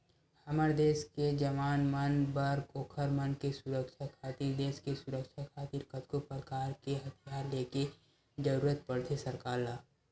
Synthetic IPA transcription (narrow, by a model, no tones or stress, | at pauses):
həməɾd̪eːsked͡ʒəʋaːnmaːnbəɾɡoːkʰəɾmənkesʊɾəkʃʰakʰaːt̪iɾd̪eːskesʊɾəkʃakʰaːt̪iɾkət̪kopɾəkaːɾkeɦɐt̪ʰijaːɾleːke | d͡ʒəɾuːɾət̪̚pəɽt̪ʰesəɾkaːɾlaː